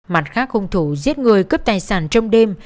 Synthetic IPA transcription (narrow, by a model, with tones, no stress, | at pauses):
ma˨˩t̚xaː˦˥k̚hʊ˨˩ŋ͡mt̪ʰu˧˩˦zi˦˥ət̚ŋɨ˨˩əjkə˦˥p̚t̪aː˨˩jsaː˧˩˦nt͡ɕɔ˧wŋ͡mɗe˧m